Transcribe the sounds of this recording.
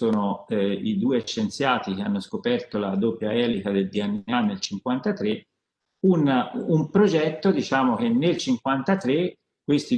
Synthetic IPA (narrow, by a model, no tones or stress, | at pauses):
oːnoid̪uːeʃːent̪sjaːt̪ikeanːoskopɛrt̪olad̪opjaɛːlikad̪eld̪ianːanːelt͡ʃiŋkwant̪at̪ɾe | unumpɾod͡ʒɛt̪ːod̪it͡ʃaːmok̟enːelt͡ʃiŋkwant̪at̪ɾe | kːwest̪i